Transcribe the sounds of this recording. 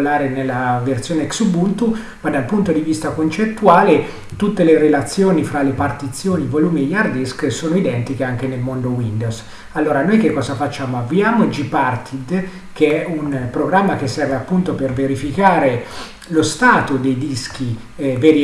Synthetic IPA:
laːɾenelːaversjoːneɛksubunt̪u | mad̪alpunt̪od̪ivist̪akont͡ʃet̪ːuaːle | t̪ut̪ːeleɾelat̪sːjoːnifɾalːepart̪it̪sːjoːnivoluːmiejːard̪esksoːnoid̪ɛnt̪ikeaŋk̟enelmond̪owind̪os | alːoːɾanoːjkekːɔːzafat͡ʃːaːmoaviaːmod͡ʒipart̪ʰid̪ | keɛunpɾoɡɾamːak̟esːɛrveapːunt̪operveɾifikaːɾe | lost̪aːt̪od̪ejd̪isk̟i | veɾ

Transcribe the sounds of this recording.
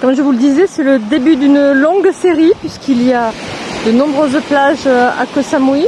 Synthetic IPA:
kɔmʒəvuləd̪izɛsɛləd̪ebyd̪ynlɔ̃ɡseʁipɥiskilijad̪ənɔ̃bʁøzplaʒa̰kosamwi

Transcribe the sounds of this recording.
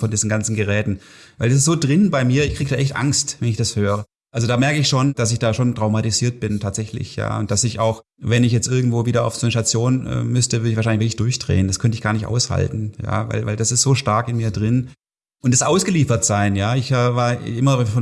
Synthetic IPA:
fɔndiːzn̩ɡant͡sn̩ɡəʁɛːtn̩vaɪldas̬ɪstz̥oːdʁɪnbaɪmiːɐɪçkʰiɡədaːʔɛçtʔa̰ŋstvɛnɪçd̥ashøːʁə | ʔalzodaːmɛɐkəɪçʃoːnd̥as̬ɪçd̥aːʃoːntʁ̥aʊmatiziːɐt̚b̥ɪntʰaːtz̥ɛçlɪ̰çja̰ːʊ̰nt̚d̥asɪçaʊx | vɛnɪçjɛt͡stʔɪɐɡŋ̩tv̥oːviːɾɐa̰ʊfz̥oːnəʃtat͡sjoːnɛ̰ːmʏstəvʏɐdəɪçfaːʃaɪnlçvɪklɪçd̥ʊɐçd̥ʁḛːəndaskʰœntəɪçɡ̥aːɐnɪçtʔa̰ʊsha̰ltn̩ja̰ːva̰ɪlva̰ɪldasɪstz̥oːʃtaɐkɪnmiːɐdʁɪn | ʔʊntd̥asʔaʊsɡ̥əliːfɐtz̥aɪnjaːɪçavaːɐʔɪmɐfɔ

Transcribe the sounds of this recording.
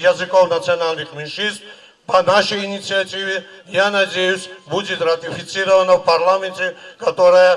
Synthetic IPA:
jɐzɨkofnɐt̪sɨɐnalʲnɨxmʲɪnʃɨnst̪ | pɐnaʂəjinʲit̪sɨɐtʲivʲɪjanɐdʲejʊsʲbudʲɪt̪ɾɐt̪ʲɪfʲɪt̪sɨɾəvənəfpɐɾlˠamʲɪnʲtʲɪkɐt̪oɾəjə

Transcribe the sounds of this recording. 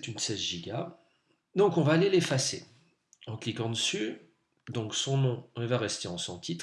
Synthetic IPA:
ɛt̪ynsɛzʒiɡʲa | d̪ɔ̃kɔ̃vaːlelefase | ɑ̃klikɑ̃d̪əsy | d̪ɔ̃ksɔ̃nɔ̃ilvaʁɛst̪eɑ̃sɔ̃t̪ʰit̪χ

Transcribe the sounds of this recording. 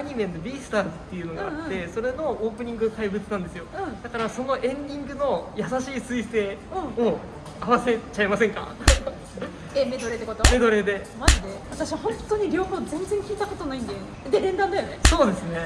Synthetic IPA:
aɲ̟ime̞nːobʲiːsɨ̥t̪aːzɨt̪ːe̞jɯ̟no̞ɡã̰ːtːe̞so̞ɾe̞no̞oːpɯ̟ɲ̟ĩŋɡɯkaibɯ̟t͡sɨnãnd̪e̞sɨjo̞ɯ̃d̪̥akaɾaso̞no̞ʔẽ̞ɲd̪ʲĩŋɡɯ̟no̞jasaɕiːsɨise̞ːɯ̃o | aβase̞t͡ɕaemasẽ̞ŋka̰ | emed̪o̞ɾet̪ːekot̪ome̞d̪o̞ɾe̞d̪e̞mad͡ʑid̪eβat̪aɕiβahõ̞nt̪ːo̞ɲ̟iɾʲo̞ːho̞ːzẽ̞nzẽ̞ŋkʲiːt̪ako̞t̪onaĩnd̪e | d̪eɾẽ̞nd̪ãnd̪ajone̞so̞ːd̪e̞sɨne̞

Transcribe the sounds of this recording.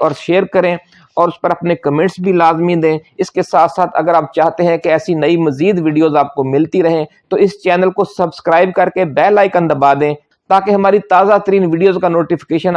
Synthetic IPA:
ɔːɾʃeːɾkɐɾẽː | ɔːɾʊspəɾɐpnekɐmẽːɳʈsbʱilaːzmĩd̪ẽːɪskesaːt̪ʰsaːt̪ʰɐ̰ɡəɾaːp̚t͡ʃaːɦt̪eɦɛ̃keɛːsinɐimɐziːd̪ʋiːɖijoːzaːp̚komɪlt̪iɾɐɦẽːt̪oɪst͡ʃɛːnəlkosɐbskɾaːɪb̚kɐɾkebɛːlaːɪkɐ̃nd̪əbaːd̪ẽː | t̪aːkeɦɐmaːɾit̪aːzat̪əɾiːnʋiːɖijoːzkanoːʈifɪ̥keːʃən

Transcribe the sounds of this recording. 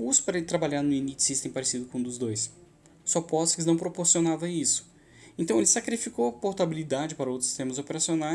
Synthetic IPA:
usʊ̥paɾɐet̪ɾabaʎaɾnʊinit͡ʃsist̪ẽpaɾesid̪ʊkõũd̪ʊzd̪ojs | sɔpɔskɪznɐ̃w̃pɾopoɾsionavɐisʊ̥ | ẽnt̪ɐ̃w̃elɪsakɾifikowɐpoɾt̪abilid̪ad͡ʒɪpaɾɐowt̪ɾsi̥st̪ẽmɐzopeɾasionaj

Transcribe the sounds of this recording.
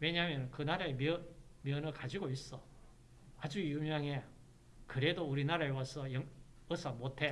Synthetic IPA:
we̞ɲaɦmjʌnkɯnaɾaemmjʌnɯɭkad͡ʑiɡois͈ʌ | ad͡ʑujumjʌŋe | kɯɾe̞douɾinaɾaewas͈ʰʌjʌŋ | ʌsʰʌmotʰe̞

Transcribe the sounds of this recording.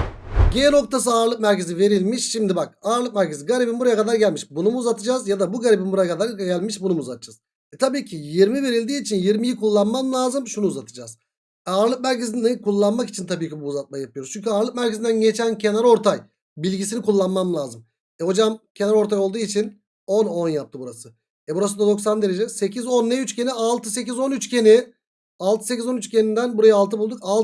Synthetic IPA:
ɟeɛno̞k̚t̪ʰas̬ɯaːɾlˠɯk̚mæɾcʰe̞zive̞ɾilʲmiʃʃimd̪ibak̚aːɾlˠɯk̚mæɾcʰeziɡaɾibimbuɾajakad̪aɾɟælʲmiʃbunumuːzat̪ʰɯd͡ʒaːzjad̪abuɡaɾibimbuɾajakad̪aɾɟælʲmiʃbunumuːzat̪ʰɯ̥d͡ʒaz̥ | ɛt̪ʰabiːcʰijiɾmive̞ɾilʲd̪iːt͡ʃʰinjiɾmijikulˠːanmamlˠaːzɯmʃunuːzat̪ʰɯd͡ʒaːz̥ | ɛaɾlˠɯk̚mæɾcezinnikulˠːanmaki̥t͡ʃʰint̪ʰabiːcibuːzat̪̚majjapʰɯjoɾuzt͡ʃʰyɲcyaɾlˠɯk̚mæɾcʰezind̪ænɟe̞t͡ʃʰæncʰe̞naɾo̞ɾt̪ʰaj | bilʲɟisinikulˠːanmamlʲˠaːzɯm | ɛho̞d͡ʒamcʰe̞naɾo̞ɾt̪ʰajolˠd̪uːit͡ʃʰin | o̞no̞njap̚t̪ʰɯbuɾasɯ | ɛbuɾas̬ɯnd̪ad̪o̞ks̬and̪eɾed͡ʒɛse̞cizo̞nːɛyt͡ʃcʰe̞nialˠt̪ʰɯse̞cizo̞nyt͡ʃcʰʲe̞ni | alˠt̪ɯ̥secizo̞nyt͡ʃcʲʰe̞nind̪ænbuɾajaalˠt̪ɯbulˠd̪uka

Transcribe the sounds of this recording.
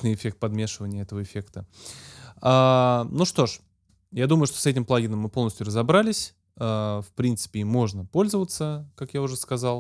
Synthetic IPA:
nɨjɪfʲe̞k̚t̪̚pɐd̪mʲe̞ʂɨvənʲɪjəɛt̪əvəɪfʲe̞kt̪ə | anuʂt̪o̞ʂ | jad̪uməjʊʂt̪osɛtʲɪmplˠaɡʲɪnəmːɨponəsʲtʲjʊrəzɐbɾalʲɪsʲ | afpɾʲint̪sɨ̥pʲɪimo̞ʐnəpo̞lʲzəvət̪səkakjaʊʐɛskɐzɑlˠ

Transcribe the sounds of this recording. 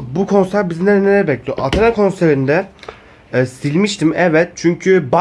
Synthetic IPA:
bukʰo̞nsæɾbizinɛd̪neɾbɛclʲijo̰ʔat̪ʰanakʰo̞nseɾind̪ɛ | silʲmiʃt̪ʰimɛvɛt̪̚t͡ʃʰyɲcʰyba

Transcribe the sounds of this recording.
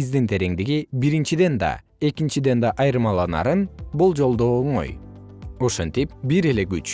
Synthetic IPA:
izd̪int̪ʰe̞ɾe̞ŋd̪iɡibiɾint͡ʃid̪e̞nd̪ɑ̰ | e̞kint͡ʃid̪e̞nd̪ɑʔɑjɾɯmɑlˠɑnɑ̰ɾɯnbulˠd͡ʒo̞lˠd̪oːɴo̰j | o̞ʃent̪ip̚biɾe̞le̞ɡyt͡ʃ

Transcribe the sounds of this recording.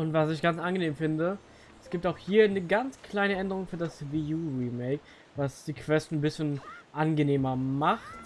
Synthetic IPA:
ʔʊntv̥asɪçɡ̥ant͡sʔanɡəneːmfɪndə | ɛsɡ̥iːp̚taʊxhiːɐnəɡant͡skʰl̥aɪnəɛndəʁʊŋfyːɐdasvijuːʁiːmɛɪk | vasd̥iːkv̥ɛstn̩nbɪsçənʔanɡəneːmɐmaχt

